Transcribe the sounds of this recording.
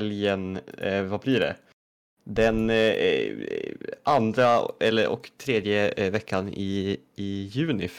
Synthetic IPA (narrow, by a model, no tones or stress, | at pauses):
ljənvablɪɖɛ̰ | d̪ɛn | and̪ɾaɛlːəɾʔɔ̰kt̪ʰɾeːd̪jəvɛkʰːanɪɪjʉ̟ːnɪ